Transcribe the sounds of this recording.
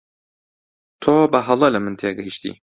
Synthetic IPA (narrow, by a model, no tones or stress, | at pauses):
t̪ʰoːbɐɦɐlˠɐlɐmɨnt̪ʰeːɡɐjʃt̪ḭː